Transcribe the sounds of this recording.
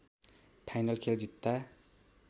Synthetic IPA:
pʰajnʌlkʰeld͡ʑit̪ːa

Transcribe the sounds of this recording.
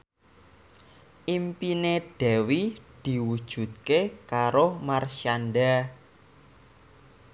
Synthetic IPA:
ʔimpineɖ̥ɛ̤wid̪̥i̤wud̥ʒ̥ṳt̪̚kekaɾomarʃanɖa

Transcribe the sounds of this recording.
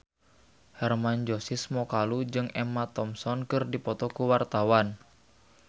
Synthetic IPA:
hɛrmand͡ʒɔsismɔkalud͡ʒɨŋɛmat̪ɔmsɔnkɨrdipɔt̪ɔkuwart̪awan

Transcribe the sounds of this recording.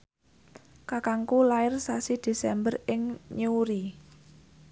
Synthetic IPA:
kakaŋkulaɪrsasid̪̥e̤sɛmbərɪŋɲuuɾi

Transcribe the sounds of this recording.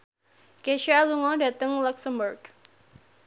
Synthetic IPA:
keʃialuŋɔda̤t̪əŋlɔksəmburɡ̥

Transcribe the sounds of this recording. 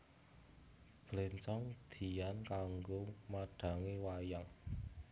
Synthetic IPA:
b̥lent͡ʃɔŋd̪̥i̤jankaŋɡomaɖ̥a̤ŋewajaŋ

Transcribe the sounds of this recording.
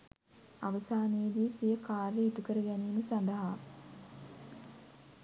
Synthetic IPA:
aʋəsaːnejːd̪isijəkaːɾjəiʈ̪ukəɾəɡæniːməsand̪əɦa

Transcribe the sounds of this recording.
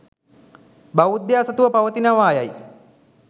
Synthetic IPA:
baʋud̪jaːsət̪uʋəpaʋət̪inaʋaːjaj

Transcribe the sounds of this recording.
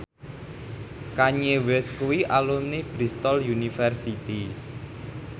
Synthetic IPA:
kaɲewɛskuwiʔalumnib̥ɾist̪ɔljunifɛrsit̪i

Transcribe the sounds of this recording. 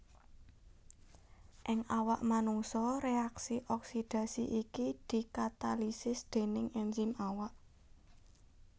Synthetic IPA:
ʔɪŋawaʔmanuŋsɔɾeaksiʔɔksid̪̥a̤siʔikid̪̥i̤kat̪alisɪsd̪̥e̤nɪŋɛnzimawaʔ

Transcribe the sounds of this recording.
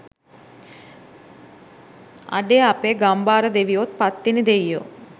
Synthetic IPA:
a̰ɖeːapeːɡambaːɾəd̪eʋijot̪̚pat̪ːinid̪ejjo̰

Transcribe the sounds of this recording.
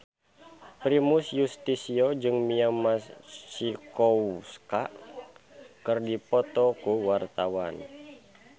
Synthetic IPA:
pɾimusjust̪isiod͡ʒɨŋmiamasikɔwska | kɨrdipɔt̪ɔkuwart̪awan

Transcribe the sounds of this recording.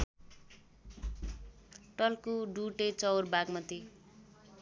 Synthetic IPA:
ʈʌlkuɖuʈet͡sʌwrbaɡmʌt̪i

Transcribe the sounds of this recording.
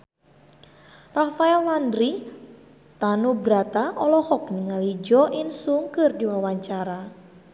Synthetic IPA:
rafaɛlːandɾi | t̪anubɾat̪aɔlɔhɔk̚niŋalid͡ʒɔʔinsuŋkɨrdiwawaɲt͡ʃaɾa

